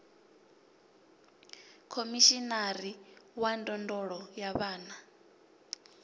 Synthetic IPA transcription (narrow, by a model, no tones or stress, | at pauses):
kʰomiʃinaɾiwandʼɔndɔɺɔjaβaːna